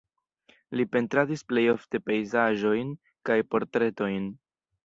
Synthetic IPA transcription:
lipe̞ntɾadisple̞jo̞fte̞pe̞jzaʒo̞jn | kajpo̞ɾtɾe̞to̞jn

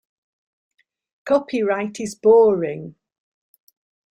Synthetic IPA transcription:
kʰɒpʰɪɹaɪtʰɪzbɔːɹɪ̃ŋ

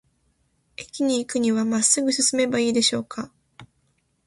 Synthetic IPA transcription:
e̞kʲiɲ̟iːkɯ̟ɲ̟iβamasɨɡɯ̟sɨsɨme̞baiːd̪e̞ɕo̞ːkʰa

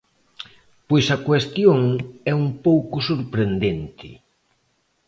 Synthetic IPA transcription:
pojsɐkwest̪joŋɛumpowkʊsoɾpɾend̪ent̪ʰɪ̰

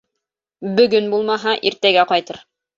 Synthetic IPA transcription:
bɵ̆ɡɵnbulˠmɑɦɑʔiɾt̪æɡæqɑjt̪ɤɾ

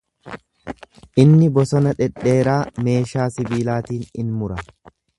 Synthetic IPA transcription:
ʔɪnːɪbɔsɔnɐᶑɛᶑːe̞ːɾaːme̞ːʃaːsɪbiːlaːt̪iːnɪnmʊɾɐ

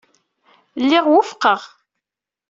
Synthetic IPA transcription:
lːɪʁwʊfqəʁ

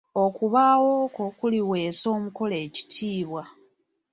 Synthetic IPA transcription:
o̞kuβaːwo̞kokuliwe̞ːso̞ːmuko̞le̞ːci̥tʰiːβwa

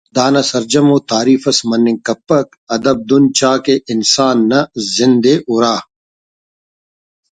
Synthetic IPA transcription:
d̪aːnɐsɐɾd͡ʒɐmoːt̪aːɾiːfɐsmɐnːɪ̃kɐpːɐk | ɐd̪ɐb̚d̪ʊnt͡ʃaːkeʔɪnsaːnːɐzɪnd̪eːʔʊɾaː

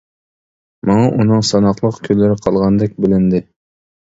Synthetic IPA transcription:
mɑŋɑʔunɨŋsɑnɑqlˠəqkʲʰølːɪɾɪqʰɑlˠʁɑnd̪ɛk̚ʲbɪlɪnd̪ɪ

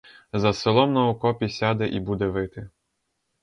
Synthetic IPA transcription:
zɐsɪlˠɔmnɐukɔpʲisʲad̪ɛʔibud̪ɛʋɪt̪ɪ

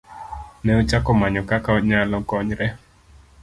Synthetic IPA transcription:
nɛot͡ʃakɔmaɲɔkakaɲalɔɡɔɲɾɛ

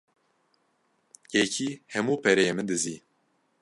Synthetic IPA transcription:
jɛcʰiːhɛmuːpʰɛɾɛjemɨnd̪ɨziː

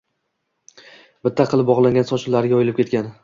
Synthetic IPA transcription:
bɪt̪ʰːaqʰɨlˠɪp̚bɒʁlˠaŋʲɡʲansɒt͡ʃʰɪlːaɾɪɡʲaɒjɪlɪp̚kʲe̞t̪̚kʲan

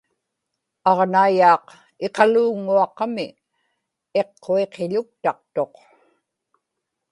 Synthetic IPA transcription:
ɑʁnaijɑːq | e̞qɑluːŋuɑqɑmɪ | e̞qʰːoe̞qʰeʎʊk̚t̪ɑq̚t̪o̞q

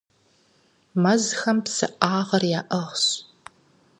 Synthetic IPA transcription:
mɐzxɐmpsɨ̰ʔaːʁɐrjaːʔɐʁɕ

